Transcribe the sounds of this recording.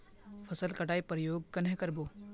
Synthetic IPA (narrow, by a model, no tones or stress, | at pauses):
pʰəsəlkɐɽaːipɾəjoːɡ̚kɐnɦẽkəɾboː